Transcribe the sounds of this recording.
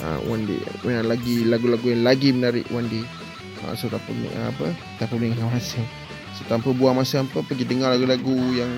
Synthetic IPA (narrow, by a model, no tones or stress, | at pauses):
ʔə̰wa̰ndḭmənalaɡilaɡulaɡujaŋlaɡimənaɾɪ̰ʔwandi | ə̰suɾapə̰m̰ʔapə | t̪apəlɪŋjaasəŋ | sət̪ampəbuamasampəpəɡidəŋarlaɡulaɡujaŋ